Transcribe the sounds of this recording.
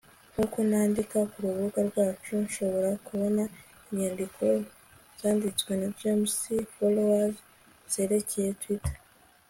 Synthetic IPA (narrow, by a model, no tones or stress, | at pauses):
ŋ̥huːkonaːndikakuɾuβuɡaɾɡwaːt͡ʃunʃo̞βo̞ɾakuβo̞na | imɲaːndikʰo̞ | z̥aːndit͡swe̞nad͡ʒemsifolowaz | z̥e̞ːɾe̞ceje̞twitʰḁ